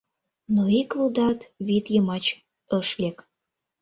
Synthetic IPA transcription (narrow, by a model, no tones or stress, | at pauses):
noiklud̪ɑt̪βit̪jəmɑt͡ɕ | əʃlʲek